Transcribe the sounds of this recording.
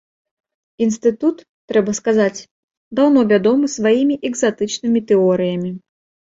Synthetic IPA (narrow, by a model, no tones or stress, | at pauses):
inst̪ɨt̪ut̪ːɾɛbɐskazat͡sʲ | d̪awnɔvʲad̪ɔmɨsvajimʲiʔɛɡzat̪ɨt͡ʂnɨmʲit̪ɛɔɾɨjɐmʲi